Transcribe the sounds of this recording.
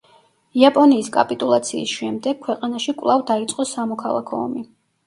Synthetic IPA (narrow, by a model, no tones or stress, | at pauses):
iapʼɔniːskʼa̰pʼit̪ʼulˠat̪sʰiːsʃɛmd̪ɛɡ̚kʰwɛqʼanaʃikʼvlˠavd̪ait̪sʼqʼɔsamɔkʰalˠa̰kʰɔ̰ɔ̰mi